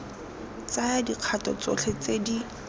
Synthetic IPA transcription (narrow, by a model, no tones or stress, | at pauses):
t͡saadiq͡χʰatʼɔt͡sɔ̰ɬʰɛt͡sedi